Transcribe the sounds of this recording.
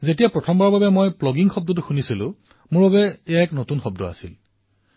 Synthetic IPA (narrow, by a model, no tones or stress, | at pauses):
zetijapɹɔtʰɔmbaɹbabɛmojplɔɡiŋxɔb̚dɔt̬ʊxunisilʊ̰̃ | mʊɹbabɛejaɛknotunxɔb̚dɔa̰sḭl